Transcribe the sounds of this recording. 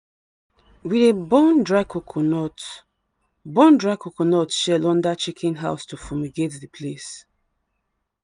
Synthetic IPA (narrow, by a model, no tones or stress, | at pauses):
wiðebɔndɹakokʰnɔt | bɔ̃ndɹakokonɔtʃɛlɔ̃ndat͡ʃikʰĩnɦaʊstufɔmiɡetðipʰles